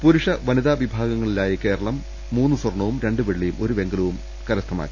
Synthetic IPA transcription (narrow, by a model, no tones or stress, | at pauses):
puɾuʂɐʋɐniðaːʋibʱaːɡɐŋːɐɭilaːjɐke̞ːɾɐɭɐmː | uːnːuswɐrɳɐʋumɾe̞ɳɖɨʋeɭːijumo̞ɾuʋe̞ŋɡɐlɐʋum | kɐɾɐst̪ʰːɐma̰ːɾu